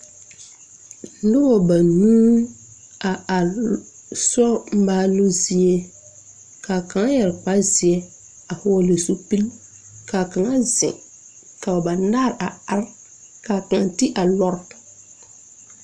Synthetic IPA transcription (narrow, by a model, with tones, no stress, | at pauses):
nʊ˦bɔ˨ba˨nũː˦ | a˨ | sɔ˦m̩˦baː˦lo˦zi˦e˦ | ka˨ka˨ŋa˦jɛ˨ɾk͡pa˦zɪ˨ɛ˦ | a˨hʊ˦ɔ˦le˨su˦pi˦l | ka˨ka˨ŋa˦zɪ̰̃˨ŋ | ka˨a˨ba˨na˦˨ɾʔa˨a˦ɾ | kaː˨ka˨ŋa˨ti˦ʔa˨lɔ˦ɾ